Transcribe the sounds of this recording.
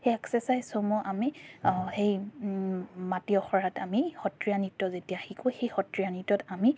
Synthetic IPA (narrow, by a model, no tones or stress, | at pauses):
xejɛksɛsajzsomɔʔamixej | matiɔxɔɹatamixɔtɹijanitːɔzetijaxikʊxejxɔtɹijanitːɔtami